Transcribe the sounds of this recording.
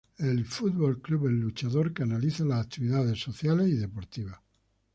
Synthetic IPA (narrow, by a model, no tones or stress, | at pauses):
elfut̪̚βolkluβenːut͡ʃaðo̞ɾkanaliθalasakt̪iβiðaðe̞sːoθjaleiðe̞poɾt̪iβ̞a